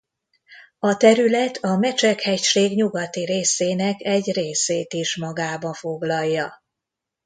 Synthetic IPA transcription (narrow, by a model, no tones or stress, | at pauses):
ɒt̪ɛɾylɛt̪ʰɒmɛt͡ʃɛkhɛcʃeːɡɲuɡɒt̪iɾeːseːnɛkɛɟreːseːt̪iʃmɒɡaːbɒɱfo̞ɡlɒjːɒ